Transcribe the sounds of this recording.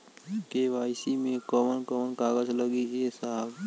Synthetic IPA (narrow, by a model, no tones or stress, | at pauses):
keʋaːjsimẽkɔmənkɔmənkaːɡəd͡ʒləɡiesab